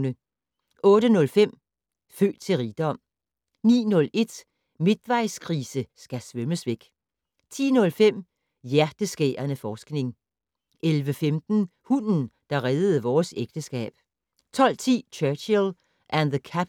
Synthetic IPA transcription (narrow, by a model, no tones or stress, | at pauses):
nə | ɔ̽ːɾ̥ənɔ̽lfem̰ | fø̰ːd̥̚t͡sʰe̝lʁiːd̥ɒ̽m̰ | nḭːnɔ̽le̝d̥ | me̝d̥ʋɑ̈ɪ̰skʰʁiːsəsɡ̥æsʋœməsʋeɡ̥ | t͡sʰḭːnɔ̽lfem̰ | jæɐd̥əsɡ̥ḛːɐnəfɒːsɡ̥ne̝ŋ | ʔelʋəfemd̥n̩hunn̩d̥ɑ̈ʁɛðˠð̩ˠəʋɒːseɡ̥̚d̥əsɡ̥ɛ̰ːb̥̚ | t͡sʰɒ̽l̰t͡sʰḭːt͡ɕʰœɐɕil | ʔænðəkʰæ